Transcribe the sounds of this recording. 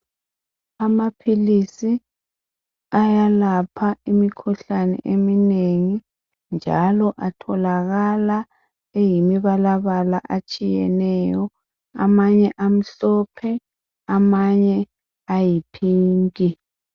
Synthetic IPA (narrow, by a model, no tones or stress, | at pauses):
amapʰilisi | ajalapʰaimikʰuɬanɛ̰ʔemineŋi | nd͡ʒʱalɔʔatʰɔlaɣala | ejimiβalaβala̰ʔat͡ʃʼijɛ̰nɛjɔ | a̰maɲɛʔam̩ɬɔpʰɛ | amaɲɛ | ajipʰiːŋkʼi